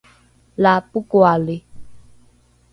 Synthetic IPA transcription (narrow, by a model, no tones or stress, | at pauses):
lapukoale